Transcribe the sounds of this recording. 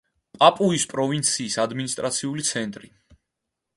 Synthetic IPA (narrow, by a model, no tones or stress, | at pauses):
pʼapʼuispʼɾɔvint̪sʰiːsad̪minist̪ʼɾat̪sʰiulit̪sʰɛnt̪ʼɾi